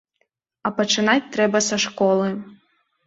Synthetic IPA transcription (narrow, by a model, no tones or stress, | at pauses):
ɐpɐt͡ʂɨnat͡sʲt̪ɾɛbɐsɐʂkɔlˠɨ